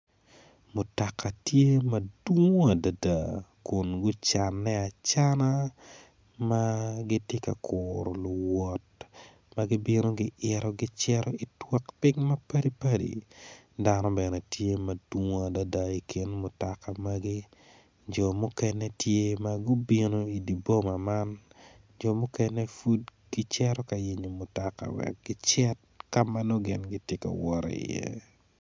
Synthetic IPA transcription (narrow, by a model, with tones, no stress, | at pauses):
mʊ˨ta˨ka˨tje˦mɐdwu˦ŋo˦a˨da˨da˨kʊ˨nɡʊ˦t͡ʃa˨nːɛ˦a˨t͡ʃa˦na˦ | maɡɪ˦tje˦ka̰˨kʰʊɾɔ˨lʊ˨wɔ˨t | maɡɪ˦bi˦no˦ɡɪ˦ʔɪɾɔ˦ɡɪ˦t͡ʃɛɾɔ˦i˨twa˦kpɪ˦ŋmɐ˦pɐ˦di˦pa˦dḭ˨ | danɔ˦bɛ˨nɛ˨tje˦mɐd̥wŋo˦a˨da˦da˦i˨kʰi˦nmʊ˨taka˨maɡi˦ | d͡ʒɔ˨mʊ˦kɛnɛ˦tje˦maɡʊ˦bi˦no˦i˨di˨bo˦ma˨man | d͡ʒɔ˨mʊ˦kɛnɛfu˦dɡ̥ɪt͡ʃɛɾɔka˨ji˨ɲo˨mʊ˨taka̰˨wɛ̰˨k̚ɡ̥ɪt͡ʃɛ˦t̚ | kama˦no˦ɡɪ˨nɡɪtɪ˦kɛ̰˨wɔ˦ɾ̰ḭ˨jɛ̰˦